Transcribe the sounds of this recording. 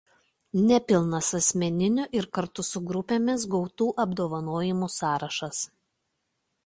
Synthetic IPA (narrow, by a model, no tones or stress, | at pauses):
nʲɛpʲɪlˠnɐsɐsʲmʲɛnʲɪnʲʊʔɪɾkɐɾt̪ʊsʊɡɾʊpʲeːmʲɪs̬ɡɔʊt̪uːʔɐbd̪oːʋɐnoːjɪmuːsɑːɾɐʃɐs